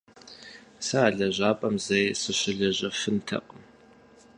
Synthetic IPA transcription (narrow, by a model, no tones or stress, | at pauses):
sɨaːɮɐʑʷaːpʼɐmzɐjsɨɕɪɮɐʑɐfɨntʰɐ̰qʼəm